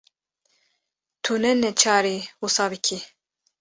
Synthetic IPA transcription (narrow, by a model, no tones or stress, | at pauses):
t̪ʰunɛnɛt͡ʃʰaːɾiwusɑːbikʲʰi